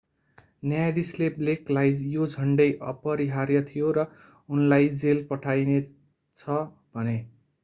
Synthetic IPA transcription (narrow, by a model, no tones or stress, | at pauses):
nʌjajd̪islebleklajd͡zjod͡zʱʌɳɖʌjʔʌ̰pʌɾiɦaɾjʌt̪ʰijoɾʌ | unlajd͡zelpʌʈʰajne | t͡sʰʌ | bʱʌne